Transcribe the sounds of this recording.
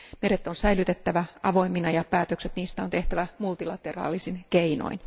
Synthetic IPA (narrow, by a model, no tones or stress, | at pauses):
me̞ɾet̪ːˑonsæjlyt̪et̪ːæʋæɑʋo̞imːinɑjɑpæːt̪økset̪niːst̪æont̪eht̪æʋæmult̪ilɑt̪erɑ̰ːlisinkeino̰in